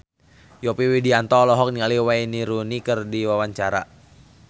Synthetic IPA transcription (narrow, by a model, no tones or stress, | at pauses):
jɔpiwidiant̪ɔːlɔɦɔk̚nialiwainiɾunikɨrdiwawaɲt͡ʃaɾa